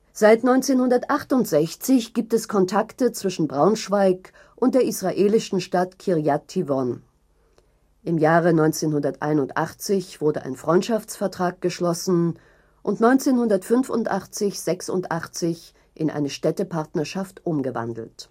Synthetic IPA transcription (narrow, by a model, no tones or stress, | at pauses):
z̥aɪtnɔʏnt͡seːnhʊndɐtʔaχtʊntz̥ɛçt͡sɪçɡ̥iːp̚tɛskʰɔntʰaktət͡sv̥ɪʃn̩bʁaʊnʃv̥aɪk | ʔʊnt̚d̥eːɐʔisʁ̥aʔeːlɪʃn̩ʃtatkʰiʁjatʰːivɔn | ʔɪmjaːʁənɔʏnt͡seːnhʊndɐtʔa̰ɪnʊntʔa̰χt͡sɪçv̥ʊɐdəʔa̰ɪnfʁ̥ɔʏntʃaft͡sfɛɐtʁ̥aːk̚ɡ̥əʃlɔsn̩ | ʔʊntnɔʏ̃nt͡seːnhʊndɐtfʏnfʊ̰ntʔa̰χt͡sɪçz̥ɛksʊ̰ntʔaχt͡sɪç | ʔɪnʔa̰ɪnəʃtɛtəpʰaɐtnɐʃaftʔʊmɡəva̰ndl̩t